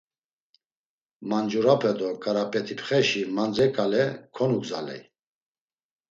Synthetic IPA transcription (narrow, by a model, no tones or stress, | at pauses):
mand͡ʒuɾapʰɛd̪ɔkʼaɾapʼɛt̪ʰipʰχɛʃimand͡zɛkʼalɛkʰɔnukzalɛ̰j